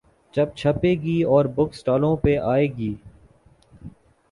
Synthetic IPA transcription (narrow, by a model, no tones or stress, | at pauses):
d͡ʒɐb̚t͡ʃʰɐpeːɡiːɔːɾbʊksʈaːlõpeʔaːeːɡiː